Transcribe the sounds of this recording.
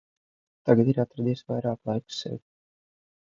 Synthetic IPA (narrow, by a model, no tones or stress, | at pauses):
t̪aɡad̪iɾat̪ɾad̪isvajɾaːklˠajku̥sɛ̰wʲ